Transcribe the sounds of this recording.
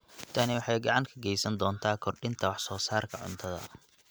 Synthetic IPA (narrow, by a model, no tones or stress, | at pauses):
t̪ʰɐnɪwɑħɑjɡɑʕɑŋkʰɐɡɛjsɐnd̪ɔːnt̪ʰaːkʰɔrɖɪnt̪ʰɐwɑħsɔːsaːrkʰɐʕʊ̰nt̪ʰɐðɐ̰